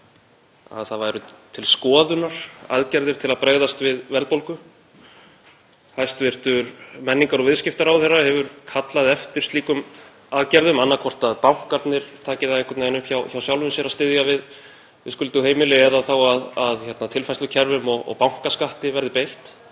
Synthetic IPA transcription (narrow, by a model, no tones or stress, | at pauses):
a̰ðθaðvajɾʏt̪ʰɪlskɔːðʏnaɾ̥a̰ðcɛɾðɪɾt̪ʰɪlaðpɾeːɣðast̪vɪðvɛɾlð̚powlkʏ | hajst̪vɪr̥t̪ʏɾmɛnːiŋkaɾɔɣvɪðscɪft̪aɾawθɛrːahɛvʏɾkʰat̪laðɛft̪ɪɾ̥st̪iːkʏm | aðcɛɾðʏmanːakʰvɔr̥t̪aðpawŋ̥kaɾt̪nɪɾ̥t̪ʰaːcɪðaðeŋkvaɾt̪naɪnʏhpçawçawsjawlvʏmsjɛɾast̪ɪðjɣavɪð | vɪ̰ðskʏlt̪ʏheːjmɪlɪɛðaθawaðaðçɛt̪nat̪ʰɪlfajslʏcʰɛɾvʏmɔɣɔ̰ɣpawŋ̥kaskaht̪ɪvɛɾðɪpejht̪